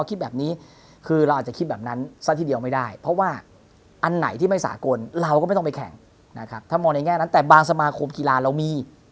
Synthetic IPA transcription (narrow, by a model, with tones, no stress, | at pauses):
kʰt̪̚bɛː˨˩p̚niː˦˥ | kʰɯː˧ɾa˧wʔaː˨˩t͡ɕa˨˩i˦˥bɛː˨˩p̚na˦˥nsa˦˥t̪ʰiː˥˩di˧əma˥˩jda˥˩jpʰɾɔ˦˥waː˥˩ | ʔa˧nːa̰˨˩˦jt̪ʰiː˥˩ma˥˩jsa̰ː˩˦ko˧nɾa˧wkɔ˥˩m˥˩t̪ɔ˥˩˨pa˧kʰɛ̰˩˦ŋ | na˦˥kʰa˦˥p̚t̪ʰaː˥˩mɔː˧ŋna˧jŋɛː˥˩na˦˥nt̪ɛː˨˩baː˧ŋsa˧maː˧kʰo˧mki˧laː˧ɾa˧wmiː˧